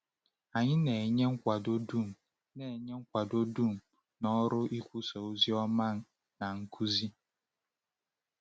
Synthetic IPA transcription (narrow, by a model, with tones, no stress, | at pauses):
a˨ɲɪ˦ne˨e˨ɲe˦ŋ̩˦kʷa˨do˦du˦˨m̩˨ | ne˨ɲe˦ŋ̩˦kʷa˨do˦du˦˨m̩˨ | nɔ˦ɾʊ˦ʔi˦kʷu˦so˨o˦zi˦ɔ˦ma˦˨n˦ | na˨ŋ̩˦kʰu˦zi˦